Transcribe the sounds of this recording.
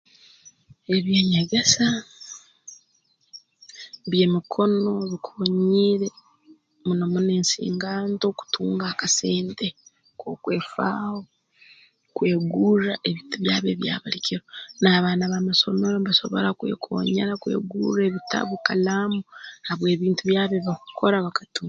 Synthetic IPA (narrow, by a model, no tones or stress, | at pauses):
e̞βjeɲaɡesa | βje̞ːmikʰo̞no̞βikʰuːɲiːɾe̞ | munomune̞ːnsḭːŋɡaːnto̞ku̥tʰuːŋɡaːkase̞ːnte̞ | koːkwe̞ːfa̰ːho̞ | kwe̞ːɡuːraʔeβiːntuβjaːβeβja̰ːβalicʰiɾonaːβaːnaβamaso̞̰meɾombaso̞̰βo̞̰ɾakwḛːkʰo̰ːɲeɾakwḛːɡṵːreβitʰa̰βukalamuhaβwe̞ːβiːntuβjaːβeβakukʰo̞ɾaβakatuː